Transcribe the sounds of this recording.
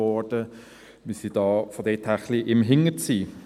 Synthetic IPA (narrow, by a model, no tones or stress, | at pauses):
ɔɹd̥ə | mɪsid̥ɑːfɔdɛtʰæχliʔɪmɦɪŋət͡siː